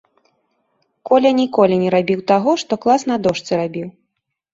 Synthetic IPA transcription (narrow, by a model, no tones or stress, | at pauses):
kɔlʲɐnʲikɔlʲinʲɛɾabʲiwt̪aɣɔʂt̪ɔklˠasnɐd̪ɔʂt̪sɨɾabʲiw